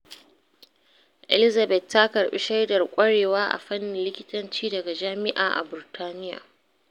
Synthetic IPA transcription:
ʔɛ˨lɪ˦zɐ˨bɛ˨tːa˦kɐ˨rɓḭ˦ʃa˦jdɐ˨rkʷʼɐ˦ɽeː˨waː˦ʔa̰˨ɸɐ˦nːɪ˨nlɪ˦kʲɪ˦tɐ˦nt͡ʃiː˦dɐ˨ɡa˨d͡ʒaː˦mɪ˦ʔaː˨ʔa̰˨bɪ˨rtʰaː˦nɪ˦ja̰ː˨

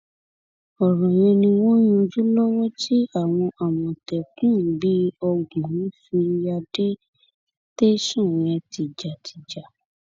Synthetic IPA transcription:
ɔ˨ɾɔ̃˨j̃ẽ˧nĩ˧w̃ɔ̃˦j̃ũ˧d͡ʒu˦lɔ˦wɔ˦ti˦a˦˨w̃ɔ̃˧ʔa˨wɔ̃˨tɛ˨kũ˦˨˦bi˦ɔ˧ɡũ˨ĩ˦fi˧ja˧de˦ | te˦ʃũ˦˨ɾ̃ɛ̃˧ti˨d͡ʒa˨tʰi˨d͡ʒa˨

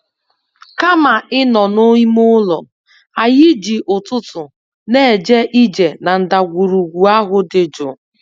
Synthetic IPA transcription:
ka˦ma˨ɪ˦nɔ˨no˦i˦mʊ˦lɔ˨ | a˨jɪ˦d͡ʒi˨ʔʊ˨tʊ˦tʊ˨ | ne˦˨d͡ʒe˦ʔi˦d͡ʒe˨na˨n̩˨da˨ɡʷu˨ɾu˨ɡʷu˨a˦ɦʊ˦dɪ˨d͡ʒʊ˨

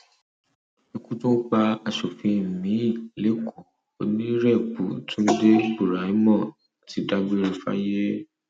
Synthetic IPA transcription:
ĩ˧kũ˦tũ˦k͡pa˧a˧ʃo˨fĩ˧˨mĩ˨˦˨le˨˦kʰu˦˨ | o˧nĩ˦ɾɛ˦˨k͡pu˨tũ˦de˦bu˨ɾa˨i˨˦mɔ̃˦˨ | a˨ti˨˦da˦bi˧˦ɾi˧fa̰˦je˦

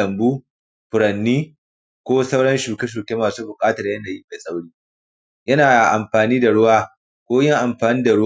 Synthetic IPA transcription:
ɐ˨mbuː˦ | ɸʊ˨ɾɐ˨nːiː˦ | kʷoː˦sa˦wɽɐ˦nʃuː˨kʲe˦ʃ̬uː˨kʲeː˦maː˨suː˦bʊ˨kʼaː˦tɐ˨rjɐ˦naː˨ji˦ma˨sʼa˦wɽiː˦ | jɐ˦naː˨ʔa˨mɸaː˨niː˦da˨ɽʊ˦waː˦ | kʷoː˦jɪ˦ŋʔa˨mɸaː˨niː˦da˨ɽʊ˦

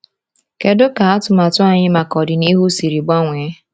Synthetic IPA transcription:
ke˦dʊ˦ka˨a˦tʊ˨ma˨tʊ˦a˨ɲɪ˦ma˨kɔ˨dɪ˨ni˦ɦu˦si˨ɾi˨ɡ͡ba˦ŋʷe˨˦

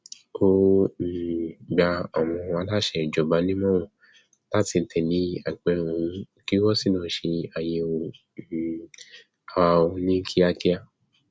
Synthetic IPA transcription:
ko˦n̩˨ɡ͡ba˧ɔ˨w̃ɔ̃˧a˧˦la˦ʃɛ˧˨d͡ʒɔ˨ba˧˦nĩ˦mɔ̃˦wɔ̃˨ | la˦ti˧n̩˨tʰɛ˨nĩ˨˦a˨k͡pɛ˧ũ˨˦ | ki˦wɔ˦si˦˨lɔ̃˨˦ʃe˧a˨je˧o˧˨ | a˨wa˧o˧nĩ˦kʰi˦a˧ki˦a˧

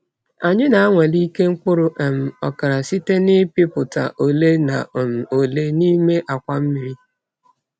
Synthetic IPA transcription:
a˨ɲɪ˦na˨a˦ŋʷe˨li˦ke˦ŋ̩˦kʷʊ˦ɾʊ˦ʔe˨m̩˨ɔ̰˨ka˨ɾa˨si˦te˦nɪ˦pɪ˦pʊ˨ta̰˨ʔo˨le˦na̰˨m̩˨o˨le˦ni˦me˦ʔa˨kʷa˦m̩˦mi˨ɾi˦

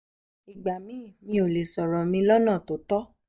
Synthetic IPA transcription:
i˨ɡ͡ba˨mĩ˦˨mĩ˧˦o˨le˨sɔ˨ɾɔ˨mĩ˧lɔ˦nã˦˨to˨˦tɔ˦

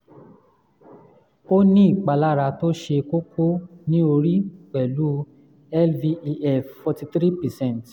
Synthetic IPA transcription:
o˦nĩ˦i˦˨k͡pa˧la˦ɾa˧to˦ʃe˧ko˦ko˦nĩ˦o˧ɾi˦k͡pɛ˨lu˦ | ɛ˦lvi˧ɛ˦˨ffɔ˧ti˧t̪ɾi˦pɛ˨sɛ̃˦˨nt

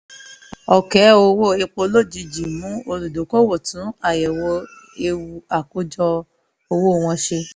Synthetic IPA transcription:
ɔ˨kɛ˨˦o˧wo˦˨e˧k͡po˧˦lo˦˨d͡ʒi˨˧d͡ʒi˨mũ˨˦o˧lu˨do˨˦ko˦wo˦˨tũ˨˦a˦˨jɛ˨wɔ˧˦ | e˧wu˧a˨ko˦d͡ʒɔ˧ | o˧wo˦˨w̃ɔ̃˧ʃe˧

